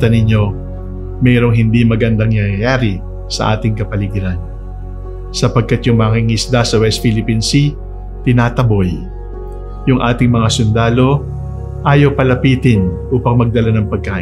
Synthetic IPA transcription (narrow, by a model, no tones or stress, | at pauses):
ɐnɪɲo̞ | mɛːɾo̞ŋɦɪnd̪imɐɡɐnd̪aŋaɐjaːɾɪ | sɐ̰ʔa̰ːt̪ɪŋkɐpɐlɪɡɪɾan | sɐpɐɡ̚kːat̪jʊŋmɐŋɪŋɪsd̪asɐwɛst̪filɪpinsi | t̪ɪnaːt̪ɐbo̞j | jʊŋʔaːt̪ɪŋmɐŋasʊnd̪aːlo̞ | ʔaːjɐwpɐlɐpiːt̪ɪnʔuːpɐŋmɐɡ̚d̪ɐlanɐŋpɐɡ̚kaːʔ